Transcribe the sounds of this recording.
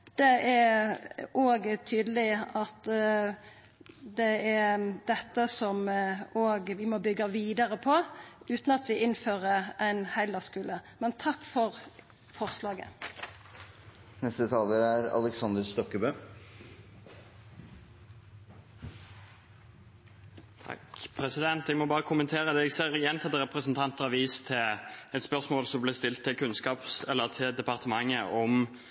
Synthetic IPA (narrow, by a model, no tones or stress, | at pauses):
d̪̥ɛæ | oːɡt̪ʰyːd̪əlɪɑt̪ | d̪ɛæd̪ɛt̪ːəsɔmoːɡʋɪmoːbʏɡːɑʋiːd̪ɑʁəpʰɔʉːt̪n̩ɑt̪ʋɪʔɪnføːʁəæɪnhæɪlɑskʉːləmɛnt̪ʰɑkːfɔʁ | fɔʁslɑːɡə̰ | nɛst̪ət̪ʰɑːləɾæɾɑ̰lɛksɑnd̪əɾst̪ɔkːəbøː | t̪ʰɑ̰kpʰʁɛsɪd̪ɛnt̪ɛɡmɔbɑːʁəkʰʊmənt̪ʰeːʁəd̪ɛɡseːʁjɛnt̪ʰɑd̪əʁɛpʁəsnt̪ʰɑnt̪ɑʋiːst̪ʰɪlɛt̪spœʁsmoːlsɔmblɪst̪ɪlt̪ʰːɪkʰʉnskɑːpsɛlːəʁt̪ʰɪld̪ɛpɑʁt̪ʰəmɑŋːəʔɔm